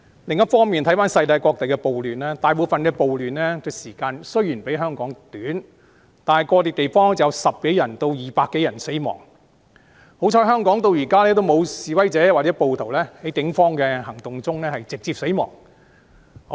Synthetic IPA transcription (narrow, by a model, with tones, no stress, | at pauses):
lɪ˨ŋjɐ˥t̚fɔː˥ŋmiː˨nt̪ʰɐ˨˥jfaː˥nsɐ˧jt̪aː˧jkʷɔː˧k̚t̪e˨jkɛː˧po˨wlyː˨˩nlɛː˥t̪aː˨jp̬o˨˧wfɐ˨nkɛː˧po˨wlyː˨nlɛː˥t̪ʊ˧siː˨˩kaː˧nsɵ˥ɥjyː˨˩npe˨˥jɦœː˥ŋkɔː˨˥ŋt̪yː˨˥n | t̪aː˨˩n˨jkɔː˧t̪iː˨t̪e˨jfɔː˥ŋ˥t͡sjɐ˧wsɐ˨p̚ke˨˥jɐ˨˩nt̪o˧wjiː˨paː˧kːe˨˥jɐ˨˩nse˨˥jmɔ̰ː˨˩ŋ | ho˨˧˥wt͡ʃʰɔː˧˥jɦœː˥ŋkɔː˨˥ŋt̪o˧wjiː˨˩kaː˥lɛː˥t̪o˥wmo˨˧wsiː˨wɐ˥jt͡sɛː˨˥waː˨˩t͡sɛː˨˥po˨wt̪ʰo˨˩wlɛː˥hɐ˨˥jkɪ˨˥ŋfɔː˥ŋkɛː˧hɐ˨˩ŋt̪ʊ˨ŋt͡sʊ˥ŋlɛː˥hɐ˨jt͡sɪ˨k̚t͡siː˧p̚se˨˥jmɔ̰ː˨˩ŋ